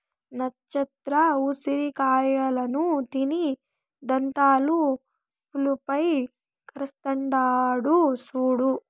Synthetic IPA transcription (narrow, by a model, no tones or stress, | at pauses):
nɐt͡ʃːɐt̪ɾɐusiɾikaːjɐlɐnut̪ini | d̪ɐnt̪aːlu | pʰulupɐj | kɐɾɐst̪ɐɳɖaːɽusuːɽu